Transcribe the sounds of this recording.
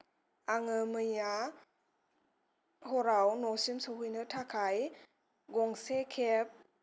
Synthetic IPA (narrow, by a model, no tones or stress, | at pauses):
aŋɯmɯja | hɔɾawnɔsimsɔɦujnɯtʰakʰaj | ɡɔŋsekʰep̚